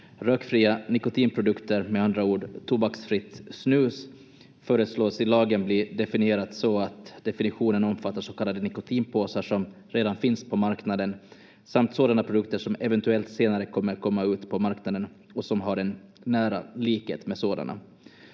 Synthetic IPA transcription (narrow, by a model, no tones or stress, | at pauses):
ɾøːkfɾiːanɪkʊt̪ʰiːnpʰɾʊd̪ɵkt̪əɾmɛand̪ɾauːɖt̪ʰubaksfɾɪt̪ːsnʉ̟ːs | fœːɾəsloːsɪlɑːɡənbliɖɛfɪnɪeːɾat̪sɔat̪d̪ɛfɪnɪɧuːnənɔmfat̪ːaʂɔkʰalːad̪ənɪkʊt̪ʰiːnpʰoːsaʂɔm | ɾeːd̪anfɪnspʰɔmaɾknad̪ən | samt̪soːd̪anapʰɾʊd̪ɵkt̪əʂɔmɛvɛnt̪ɵɛlt̪seːnaɾəkʰɔmːəɾkʰɔmːaʉ̟ːt̪pʰɔmaɾknad̪ən | ɔsɔmɦaɖɛnːæːɾa̰liːkhḛːt̪mɛsoːd̪a̰nʔa̰